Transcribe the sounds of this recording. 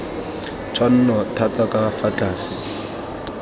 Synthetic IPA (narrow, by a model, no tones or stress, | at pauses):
t͡ʃʰʼwan̩nɔtʰatʼakʼafat͡ɬʼaːsɪ